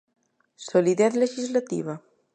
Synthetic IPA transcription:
soliðɛθleʒizlat̪ḭβa

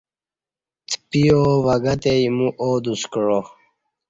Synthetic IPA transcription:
t̪ʰpioʋɐɡɐt̪ejmuʔoːd̪uskɻo

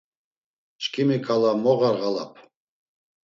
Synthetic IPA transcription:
t͡ʃʰʼkʰimikʰʼalˠamɔʁaɾʁalˠap̚ʰ

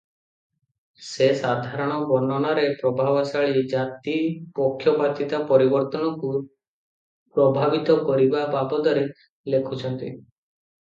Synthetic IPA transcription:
sesad̪ʱaɾɔɽ̃ɔbɔnɔnaɾepɾɔbʱabɔsaɭid͡ʒat̪ipɔkʰːjɔpat̪it̪apɔɾibɔɾt̪ɔnɔku | pɾɔbʱabit̪ɔkɔɾibababɔd̪ɔɾe | lekʰut͡ʃʰɔnt̪ḭ

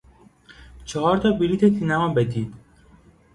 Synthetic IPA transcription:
t͡ʃʰɒɦɒːɾt̪ʰɒːbiliːt̪ʰet̪ʰinæmɒːbed̪iːd̪̥

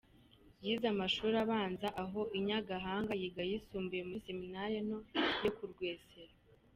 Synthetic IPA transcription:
jiːzamaʃuːɾaβaːnzaʔaɦo̞ʔiɲaɡaɦaːŋɡajiɡajisuːmbujemuse̞minaɾeno̞jokuɾɡweːseɾa

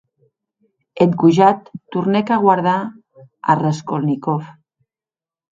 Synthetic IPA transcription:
et̪ɡuʒat̪ːuɾnekaɣwaɾð̞a | a̰reskolnikɔf

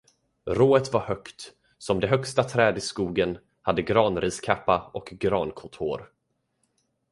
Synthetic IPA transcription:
ɾoːət̪vaɾhœkt̪ | sɔmd̪ɛɦœkst̪at̪ʰɾɛːd̪ɪskuːɡən | had̪ːəɡɾɑːnɾiːskʰapːaʔɔkɡɾɑːnkʰɔnt̪ʰoːɾ

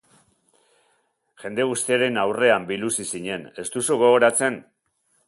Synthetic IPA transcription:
ʝe̞nd̪eɣ̞ust̪iaɾe̞nawre̞ambilusisiɲe̞ne̞st̪usuɣ̞o̞ɣo̞ɾat͡se̞n

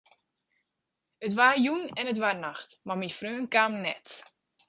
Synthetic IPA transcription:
ətʋaːjunɛnət̬ʋarnaxtmamifrøːnkaːmnɛ̰t

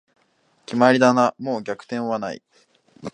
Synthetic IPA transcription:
kʲimaɾʲid̪anamoːɡʲakɯ̟̥t̪ẽ̞ɰ̃βanaḭ

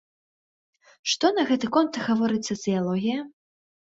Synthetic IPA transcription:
ʂt̪ɔnɐɣɛt̪ɨkɔnt̪ɣavɔɾɨt͡ssʲɐsɨjalˠɔɣʲijɐ

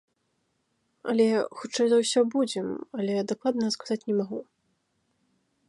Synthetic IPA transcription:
ɐ̰lʲɛxut͡ʂajzɐwsʲɔbud͡zʲɛmɐlʲɛd̪aklˠad̪nɐskazat͡sʲnʲɛmaɣu

